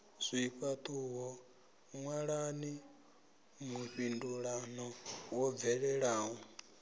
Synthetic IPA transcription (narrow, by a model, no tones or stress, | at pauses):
zʷiɸat̪ʼuɦɔ | ŋwaɺani | muɸinduɺanɔwɔb̪vɛɺɛɺaːɦu